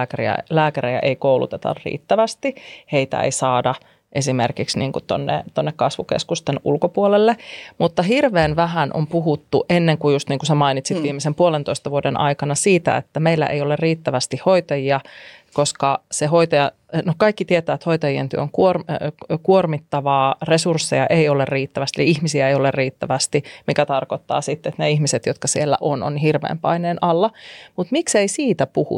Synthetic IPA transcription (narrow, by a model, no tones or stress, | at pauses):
kærḭæ̰læːkæɾejæ̰ʔeikoulṵt̪et̪ɑ̰rrḭːt̪ːæʋæst̪iheit̪æ̰ḛisɑːdɑ | ʔesimerkiksniːŋkut̪o̰nːḛt̪onːekkɑsʋukḛskust̪enṵlkopuolelːemut̪ːɑhirʋeːnʋæɦænʔo̰mpuɦut̪ːuʔenːeŋkujust̪niːŋkusæmɑinit̪sit̪ʋiːmːˑesempuolent̪oist̪ɑʋuodenʔɑ̰ikɑnɑsiːt̪æ̰ḛt̪ːæmeilːæ̰ʔeijolerriːt̪ːæʋæst̪ihoit̪ɑjiɑkoskɑsehoit̪ɑjɑ | nokɑikːit̪iet̪æːt̪hoit̪ɑjient̪yø̰oŋkuorkuormit̪ːɑʋɑːresursːejɑ̰ʔejolerriːt̪ːæʋæst̪eliihmisiæejolerriːt̪ːæʋæst̪imikæt̪ɑrkot̪ːɑ̰ːsit̪ːet̪neihmiset̪jot̪kɑsielːæ̰ʔono̰nɦirʋḛːmpɑ̰ineːnʔɑlːɑmut̪mikseisiːt̪æpuhṵ